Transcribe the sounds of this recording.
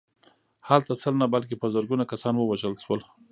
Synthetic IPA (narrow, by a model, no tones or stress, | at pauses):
halt̪asəlnabalk̬epəzəɾɡunakasɑnwəwaʒəlʃwəl